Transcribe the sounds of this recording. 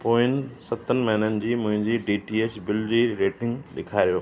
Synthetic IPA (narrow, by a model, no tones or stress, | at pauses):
poːɪnsɐt̪ənɪ̆mɐɦinənɪ̆d͡ʑiːmʊ̃ɦɪ̃ɲd͡ʑiːɖiːʈiːeːsbɪld͡ʑiːɾeːʈɪ̃ŋɡɗɪkʰaːɾijoː